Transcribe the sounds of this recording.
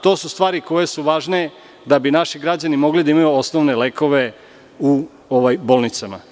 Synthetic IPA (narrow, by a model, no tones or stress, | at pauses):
t̪o̞ːsust̪ʋaːɾiko̞je̞suʋaːʒne | d̪abinaʃiɡɾad͡ʑanimo̞ɡlid̪aimajuo̞snoʋne̞le̞ːko̞ʋe̞ | u | oʋajbo̞ːlˠnit̪sama̰